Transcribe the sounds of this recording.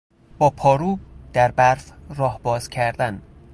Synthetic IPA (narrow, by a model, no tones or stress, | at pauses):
b̥ɒːpʰɒːɾuːb̚d̪̥æɾbæɾfrɒːhbɒːz̥cʰæɾd̪æn